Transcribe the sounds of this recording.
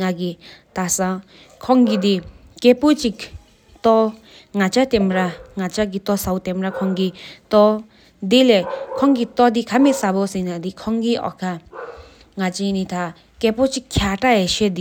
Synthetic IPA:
ŋaɡit̪asã | kʰɔŋɡid̪i | kepot͡ɕik | t̪ɔ | ŋat͡ɕat̪emɾaŋat͡ɕaɡit̪ɔsawt̪emɾakʰɔŋɡit̪ɔ | d̪ilekʰɔŋɡit̪ɔd̪ikʰamesabosinad̪ikʰɔŋɡiʔɔ̰kʰa | ŋat͡ɕinit̪ʰa | kepot͡ɕikʰjaʈ͡ʂajeʃed̪i

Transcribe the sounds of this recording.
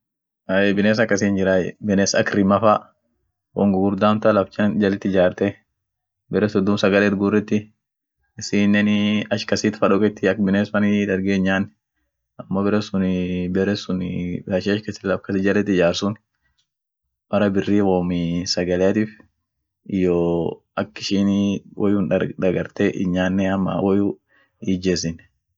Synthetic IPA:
ɐebɪneːs̬ɐkːɐsind͡ʒɪɾaːjɛ̰bɪneːsɐ̰kɾɪmɐfa | wɔ̰ŋɡʊɡʊɾd̪aːmt̪ɐlɐft͡ʃɐnd͡ʒɐlɛt̪ːɪd͡ʒaːɾt̪ɛ | bɛɾɛsʊd̪ːʊmsɐɡɐlɛːt̪ɡʊrːɛt̪ːɪ | ɪsɪnːɛnɐʃkɐsiːt̪fɐᶑɔkʼɛt̪ːɪɐkbɪnesfɐnɪd̪ɐɾɡeːɲːaːnː | ɐmːoːbɛɾɛsʊnɪbɛɾɛsʊnɐʃiɐʃkɐsɪlɐbkɐsɪd͡ʒɐlɛt̪ːɪd͡ʒaːɾsʊn | bɐɾɐbɪrːiːwoːmɪsɐɡɐlɛjɐt̪iːf | ɪjoː | ɐkːɪʃiːnwʔɔjuːnᶑɐᶑ̪ɐɡɐɾt̪eʔɪ̰ɲːaːnːɛɐmːa̰wɔju | iːd͡ʒes̬ɪn

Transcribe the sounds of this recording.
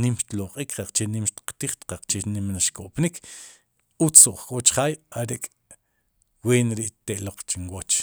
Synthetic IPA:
nimʃt̪loqʼiːkɾaq͡χt͡ʃenimʃt̪i̥qt̪iχt̪qaq͡χt͡ʃenimnaʃkoʔpnikʰ | ut͡soʔχkʼot͡ʃχaːjaɾekʼ | weːnɾiʔt̪eʔloq͡χt͡ʃiŋwot͡ʃ

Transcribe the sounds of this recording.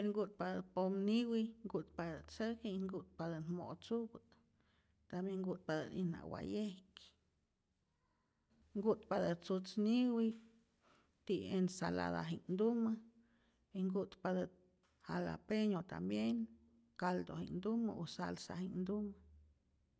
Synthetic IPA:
eɾŋɡut̪̚pad̪əpomniwiŋɡut̪pad̪ət͡səkiiŋɡut̪̚pad̪ənmo̰t͡subɨ | t̪ambjeŋɡut̪̚pad̪ə̰nina̰wa̰jehk | ŋɡut̪pad̪ət͡sut͡sniwi | t̪iensala̰d̪a̰ɦind̪umɨ | iŋɡut̪pad̪ə | hala̰peɲot̪a̰mbjen | kald̪o̰hḭnd̪umə̰osa̰lsa̰hind̪umɨ

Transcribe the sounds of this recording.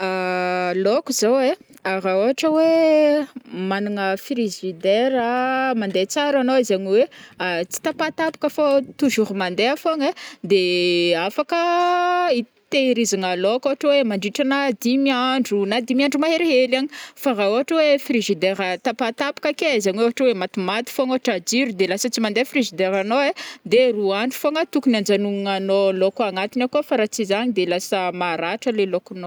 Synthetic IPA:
alokuzawe | aɾaoɦaʈ͡ʂəwe | manaŋəfɾiʒid̪eɾəmand̪et͡saɾanoizaɲiweat͡si̥t̪apat̪api̥kəfot̪uʒuɾumand̪eafoŋed̪eafakə | i | t̪eɾizaŋəlokoaʈ͡ʂəwemaɳɖ͡ʐiʈ͡ʂanad̪imiaɳɖ͡ʐunad̪imiaɳɖ͡ʐumaɦeɾeɦelaɲifaɦaoɦaʈ͡ʂəwefriʒid̪eɾət̪apat̪apḁkakezaɲiweoɦaʈ͡ʂəwemat̪umat̪i̥foŋoɦaʈ͡ʂad͡ʒiɾud̪elasət͡simand̪efriʒid̪eɾanoed̪eruaɳɖ͡ʐu̥foŋət̪ukunand͡ʒanuŋŋanolokaŋat̪inakuafaɾat͡sizaɲid̪elasəmaɾaʈ͡ʂəlelokuno

